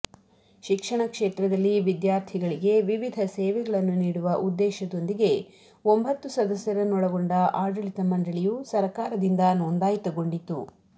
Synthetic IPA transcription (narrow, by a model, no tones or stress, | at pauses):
ʃikʂɐɳɐkʂeːt̪ɾɐd̪ɐlːiʋid̪jaːɾt̪ʰiɡɐɭiɡe̞ʋiʋid̪ʱɐseːʋɛɡɐɭɐnːuniːɽuʋɐʔud̪ːɛːʃɐd̪o̞nd̪iɡe̞ | o̞mbʱɐt̪ːusɐd̪ɐsjɐɾɐnɔɽɐɡoɳɖɐʔaːɾɖɐɭit̪ɐmɐɳɖɐɭijusɐɾkaːɾɐd̪ind̪ɐnoːnd̪aːjit̪ɐɡo̞ɳɖit̪ːu